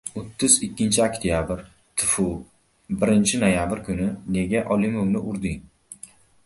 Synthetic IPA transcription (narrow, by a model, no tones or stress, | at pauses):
ot̪ʰːʊzɪkʲːɪnt͡ʃʰɪakʲt̪ʰjabɪɾ | t̪ʰɪfʊ | bɪɾɪnt͡ʃʰɪnojabɪɾkʰʊnɪne̞ɡʲaʔɒlˠɪmomnɪʔʊɾd̪ɪŋ